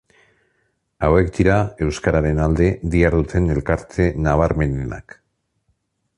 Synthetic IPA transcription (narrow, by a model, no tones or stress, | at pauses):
awe̞kd̪iɾae̞wskaɾaɾe̞nald̪e̞ðiaɾðut̪ʰe̞ne̞lkaɾt̪ʰe̞naβ̞aɾme̞nena̰k